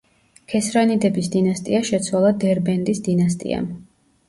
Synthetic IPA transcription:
kʰɛsɾanid̪ɛbisd̪inast̪ʼḭaʃɛt̪sʰwalˠad̪ɛɾbɛnd̪isd̪inast̪ʼḭa̰

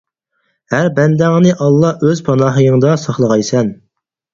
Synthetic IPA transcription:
hæɾbɛnd̪ɛŋnɪʔɑlˠːɑʔøzpʰɑnɑːɦɨjɪŋd̪ɑsɑχlˠəʁɑjsɛn

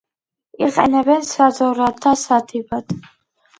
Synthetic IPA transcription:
iqʼɛ̰nɛbɛnsad̪zɔɾad̪asad̪ʰibad̪̥

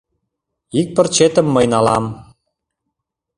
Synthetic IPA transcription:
ik̚pə̆rt͡ɕet̪ə̆mːəjnɑlɑm

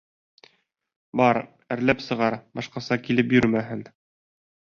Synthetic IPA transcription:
bɑɾ | ɘ̆ɾlæpsɤ̆ʁɑɾbɑʃqɑsɑkilɘpjɵɾmæɦɘn

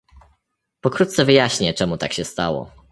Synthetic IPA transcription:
pɔkɾut̪t̪sɛvɘjaɕɲɛt͡ʂɛmut̪akɕɛst̪a̰wɔ̰

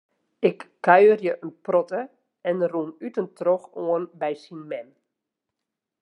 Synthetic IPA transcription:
ɪkːœɥərjəʔənprɔtə | ɛnrunytəntroxoənbɛjsinmɛn

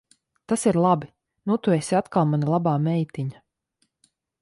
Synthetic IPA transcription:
t̪asiɾlˠabi | nut̪uesʲiat̪kalˠmanilˠabaːmɛjt̪iɲa

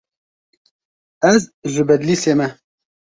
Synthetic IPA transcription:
ɛzʒɨbɛd̪liːseːmɛ

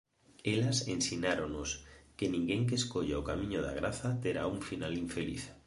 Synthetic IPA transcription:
elasensiɲaɾonoskenĩŋɡeŋk̬eːskoʎaokamĩɲoða̰ɣ̞ɾaθat̪eɾa̰uɱfinaliɱfelḭθ

